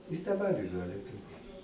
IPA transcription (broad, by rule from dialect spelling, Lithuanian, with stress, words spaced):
ɪ dɐˈbɐr ɪˈrɐ lʲiɛˈtʊʋʲʊ